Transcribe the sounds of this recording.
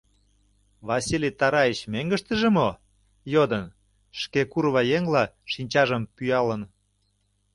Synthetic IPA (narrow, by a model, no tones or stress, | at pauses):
βɑsilʲit̪ɑɾɑet͡ɕmeŋɡəʃt̪ə̆ʒemo | jod̪ən | ʃkekuɾβɑjeŋlɑ | ʃinʲt͡ɕɑʒəmpyɑlən